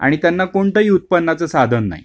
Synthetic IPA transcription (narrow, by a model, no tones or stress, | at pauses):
a̰ɽ̃it̪janːakoɳt̪əɦiːut̪̚pənːat͡səsad̪ʱənːa̰ɦḭ